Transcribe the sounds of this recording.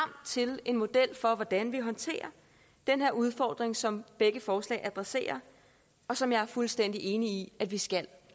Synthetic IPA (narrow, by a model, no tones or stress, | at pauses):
ɑm̰d̥t͡sʰe̝le̝nmo̝d̥el̰fɒ̽ʋɒd̥ænʋiɦɒ̽nt͡sʰe̝̰ːɐ | d̥enɦeɐuð̞ˠfɒ̰ːd̥ʁeŋsɒ̽mb̥eɡ̥əfɒːslɛ̰ɪʔæd̥ʁase̝̰ːɐ | ɒ̽sɒ̽mjɑ̈æɐfulsd̥en̰d̥iʔe̝ːniiædʋisɡ̥æl